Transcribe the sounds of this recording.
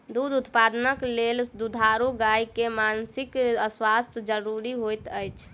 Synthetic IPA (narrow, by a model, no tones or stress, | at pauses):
d̪ud̪ut̪pad̪ənəkleld̪ud̪ʱaɾuɡajkemansikəswast̪ʰd͡ʒəɾuɾiɦojt̪əjt͡ʃʰ